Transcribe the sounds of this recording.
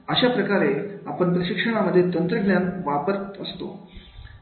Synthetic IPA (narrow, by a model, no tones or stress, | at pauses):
əɕapɾəkaɾeapəɳpɾəɕikʂəɳ̃aməd̪ʱːjet̪ənt̪ɾəɡnjanʋapəɾt̪əst̪o̰